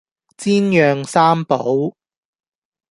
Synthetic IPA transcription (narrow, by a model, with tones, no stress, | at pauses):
t͡siː˥njœː˨˧ŋsaː˥mpo˨˥w